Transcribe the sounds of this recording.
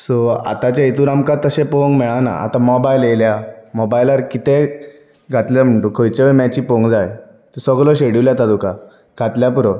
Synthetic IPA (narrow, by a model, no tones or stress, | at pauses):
sɔa̰t̪at͡ɕjait̪uɾamkat̪ːəɕẽpoŋɡmɛɭana̰ʔa̰t̪amɔbajleljamɔbajlaɾkit̪e | ɡʱat̪ljam̤əɳʈukʰojt͡ɕeʋəmat͡ɕiːpoŋɡd͡zaj | t̪esɔɡlɔɕeɽiwljat̪ad̪uka | ɡʱat̪ljapuɾɔ